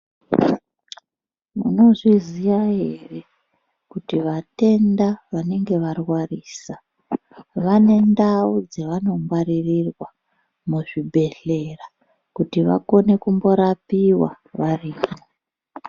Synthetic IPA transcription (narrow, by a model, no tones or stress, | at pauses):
mṵno̞ʐizijaɦe̞re̞ | kutiʋate̞ndaʋane̞ŋɡe̞ʋarwariːsa | ʋane̞ndaud͡zeʋano̞mwaririrwa | muʐibʱe̞ɬe̞ra | kutiʋa̰ko̞ne̞kumbo̞ɾapiwa | ʋariːmo